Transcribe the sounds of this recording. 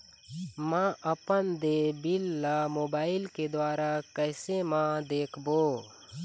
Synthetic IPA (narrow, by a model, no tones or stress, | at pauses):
mãʔəpənd̪eːbɪlːamoːbaːɪlked̪waːɾakɛːsemãd̪eːkʰboː